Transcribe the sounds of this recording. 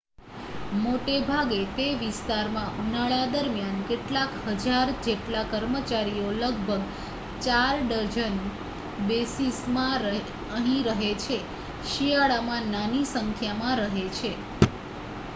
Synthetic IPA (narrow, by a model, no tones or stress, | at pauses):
moʈebʱaɡet̪eʋist̪aɾmãbʱunaɭad̪əɾmjankeʈlakɦəd͡ʒaɾd͡ʒeʈlakəɾmət͡ʃaɾijoləɡ̚bʱəɡ | t͡ʃaɾɖəɾd͡ʒən | besismãɾ | əɦĩɾəɦet͡ʃʰe | ʃijaɭamãnanisəŋkʰjamãɾəɦet͡ʃʰe